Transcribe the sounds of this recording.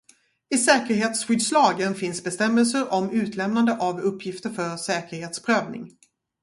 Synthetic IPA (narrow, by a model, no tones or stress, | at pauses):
ɪsɛːkəɾɦeːt̪sɧʏd̪slɑːɡənfɪnsbɛst̪ɛmːəls̬əɾʔɔmʉ̟ːt̪ʰlɛmnand̪əʔavɵpʰːjɪft̪əɾfœɾsɛːkəɾheːt̪spʰɾøːvnɪ̰ŋ